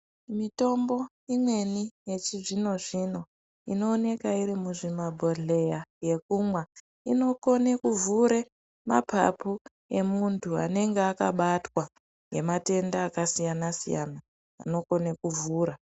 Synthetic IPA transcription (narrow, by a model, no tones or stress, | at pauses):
mito̞mbo̞ | imwe̞nije̞t͡ʃiʐino̞ʐino̞ | ino̞ːne̞kaiɾimuʐimabʱoɮe̞jaje̞kumwa | ino̞ko̞nekuvuɾe | ma̰pʰa̰pu | e̞muntʰua̰ne̞ŋɡeaka̰ɓatwa | ŋɡe̞mate̞ndaːkasijanasḭja̰na | a̰no̞ko̞nekuvuːɾa